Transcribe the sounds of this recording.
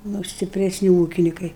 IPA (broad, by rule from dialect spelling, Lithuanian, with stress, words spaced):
ˈnʊ sʲtʲɪpʲrʲɛsʲˈnʲɪ ˈuːkʲɪnʲɪkɐɪ